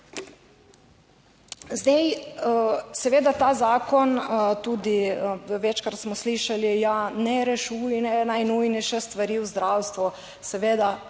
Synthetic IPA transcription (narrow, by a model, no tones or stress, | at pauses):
zd̪ɛj | sɛʋeːd̪at̪aːzaːkɔnt̪uːd̪iʋɛt͡ʃkaɾt̪smɔsliʃalijanɛɾɛʃujnɛnajnujnɛjʃɛst̪ʋaɾiːwzd̪ɾawst̪ʋu | sɛʋeːd̪a